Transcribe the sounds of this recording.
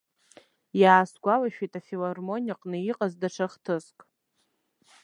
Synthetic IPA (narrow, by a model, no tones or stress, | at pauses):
jaːsɡʷalaʃᶣejtʼafilarmo̞nʲaqʼnɨiqʼazdaʈ͡ʂʰaχtʰɨskʼ